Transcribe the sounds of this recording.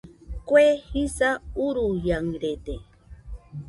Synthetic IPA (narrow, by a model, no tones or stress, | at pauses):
kwehisauɾujaŋɾed̪e